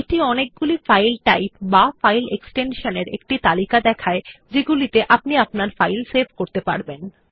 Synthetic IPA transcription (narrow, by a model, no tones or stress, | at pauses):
eʈiɔnek̚ɡulifajlʈajpbafajleksʈenʃoneɾḛk̚ʈit̪alikad̪ɛkʰaed͡ʑeɡulit̪eʔapniapnaɾfajlsebʱkoɾt̪epaɾben